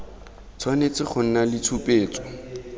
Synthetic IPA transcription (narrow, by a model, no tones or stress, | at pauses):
t͡sʰwanet͡sɪχʰʊn̩nalɪt͡sʰupʼeːt͡sɔ̥